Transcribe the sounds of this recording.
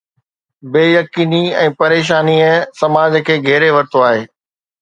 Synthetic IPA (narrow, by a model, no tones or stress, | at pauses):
beːjɐkiːniɛ̃ːpɐɾeːʃ̬aːniɛ̃sɐmaːd͡ʑkʰeːɡʱɛːɾeʋɐɾt̪oaːɦeː